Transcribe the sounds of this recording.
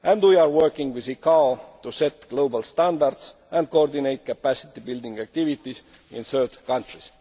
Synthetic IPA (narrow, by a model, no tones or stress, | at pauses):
ʔæ̃ndwiɑɹwɜ˞kĩŋɡwiðikɑot̪uset̪ɡ̥lowbalst̪æ̃nd̪aɾd̪s | æ̃nd̪̚kooɹd̪inejt̪̚kæpæsi̥t̪ibild̪ĩŋɡæk̚t̪ivit̪isḭ̃nθɜ˞d̪kɑ̃nt̪ɹis